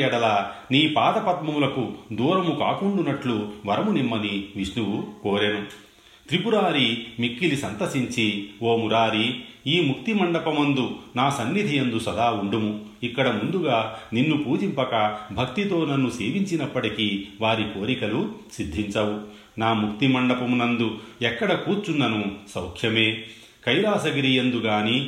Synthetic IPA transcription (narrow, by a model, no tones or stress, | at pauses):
ɛɽɐlaːniːpaːd̪ɐpɐt̪mɐmulɐkud̪uːɾɐmukaːkuɳɖunɐʈluʋɐɾɐmunimːɐniʋiʂnuwukoːɾenu | t̪ɾipuɾaːɾimikːilisɐnt̪ɐsiɲt͡ʃioːmuɾaːɾiiːmukt̪imɐɳɖɐpɐmɐnd̪unaːsɐnːid̪ʱijend̪usɐd̪aːuɳɖumuikːɐɽɐmund̪uɡaːninːupuːd͡ʒimpɐkɐbʱɐkt̪it̪o̞ːnɐnːuseːʋiɲt͡ʃinɐpːɐʈikiʋaːɾiko̞ːɾikɐlusid̪ʱːiɲt͡ʃɐwu | naːmuk̚t̪imɐɳɖɐpɐmunɐnd̪uɛkːɐɽɐkuːɾt͡ʃunːɐnusɐwkʰʂjɐme̞ː | kɐjɾaːsɐɡiɾijɐnd̪uɡaːni